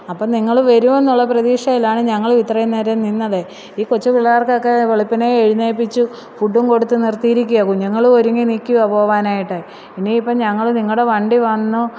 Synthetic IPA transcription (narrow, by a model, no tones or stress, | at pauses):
ɐpːoːniŋːɐɭʋɐɾume̞nːuɭːɐprɐðiːʂɐjilːaːɳɨɲɐŋːɐɭʋit̪rɐjɐneːɾɐninːɐðe | iːkot͡ɕːɐpiɭːɐjaːrkɐokːeʋeɭipːɐneeɻineːpːit͡ɕːu | fuɖːumko̞ɽut̪ːɨnirt̪ijiɾikʲːujɐkuɲːɐŋːɐɭoɾuŋːiniːkʲːuɐpoːʋaːnaːjiʈːɐ | pinːeipːɐɲɐŋːɐɭniŋːɽe̞ʋɐɳɖiʋɐnːu